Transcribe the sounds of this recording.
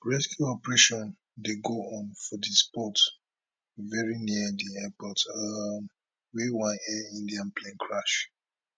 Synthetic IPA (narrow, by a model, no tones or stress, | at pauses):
ɹɛskjuɔpɹɛʃɔ̃n | deɡoɔ̃nfɔdispɔt | vɛɹiniədiɛpɔtam | wewãnɛĩndiãnplẽnkʰɹaʃ